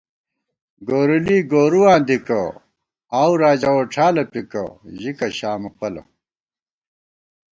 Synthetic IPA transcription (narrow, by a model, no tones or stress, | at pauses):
ɡoːɾuliːɡoːɾuwãːnd̪ikɐ | aːwɾaːd͡ʑɐwoʈ͡ʂʰaːlɐpikɐ̰ʑikɐɕaːmɐpɐlɐ̰